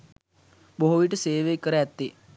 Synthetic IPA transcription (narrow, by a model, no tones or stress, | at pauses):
boɦoʋiʈəseːʋekəɾəæt̪ːe